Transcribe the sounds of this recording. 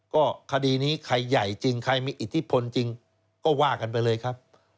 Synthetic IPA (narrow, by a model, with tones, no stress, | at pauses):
kɔː˥˩kʰa˧diː˧niː˦˥kʰa˧jːa˨˩jt͡ɕi˧ŋkʰa˧jmiː˧ʔi˨˩t̪ʰːi˦˥pʰo˧nt͡ɕi˧ŋ | kɔː˥˩waː˥˩ka˧np̬a˧jlɤː˧jkʰa˦˥p̚